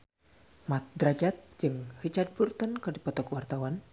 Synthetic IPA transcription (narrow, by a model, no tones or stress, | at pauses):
mat̪̚d̪ɾad͡ʒat̪̚d͡ʒɨŋrit͡ʃad̪̚burt̪ənkɨrdipɔt̪ɔkwart̪awan